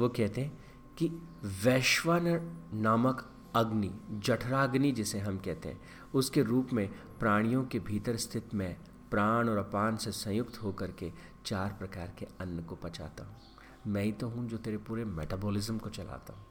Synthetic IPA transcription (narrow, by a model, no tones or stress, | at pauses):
ʋokɛɦt̪eɦɛ̃ | kiʋɛːʃʋaːnənaːmək | ɐɡnid͡ʒɐʈʰɾaːɡnid͡ʒɪseɦɐmkɛɦt̪ḛɦɛ̰̃ | ʊskeɾuːpmẽ | pɾaːɽ̃ijõkebʱiːt̪əɾst̪ʰɪt̪mẽ | pɾaːɽ̃ɔːɾɐpaːnsesɐ̃jʊkt̪ɦokɐɾke | t͡ʃaːɾpɾɐkaːɾkeɐnːəkopɐt͡ʃa̰ːt̪a̰ːɦũ | mɛ̃ːĩt̪oɦũd͡ʒoːt̪eːɾepuːɾemɛ̰ːʈaːboːlɪzəmkot͡ʃɐla̰ːt̪a̰ɦũː